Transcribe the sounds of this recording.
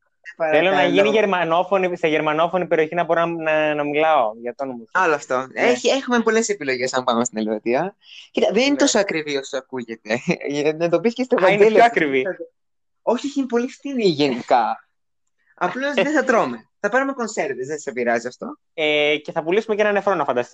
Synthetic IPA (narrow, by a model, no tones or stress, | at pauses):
epɐθelonɐʝiniʝeɾmɐno̞foniseʝe̞ɾmɐno̞fo̞nipe̞ɾio̞çinɐboɾonɐnɐmilɐoʝɐft̪onomizɐloɐft̪oeçiexumepo̞le̞sepilo̞ʝe̞sɐmbɐnumest̪inelvet̪iɐ | cit̪ɐðeninet̪osoɐkɾivio̞soɐkuʝet̪e̞nɐnd̪opiscest̪ovɐineiloɐkɾivi | o̞çieçinpo̞lift̪iniʝenikɐ | ɐploozðeθɐt̪ɾomeθɐpɐnumeko̞nseɾt̪izðesepiɾɐziɐft̪o̞ | ece̞θɐpulisumecenɐnefɾo̞nɐfɐnd̪ɐst̪i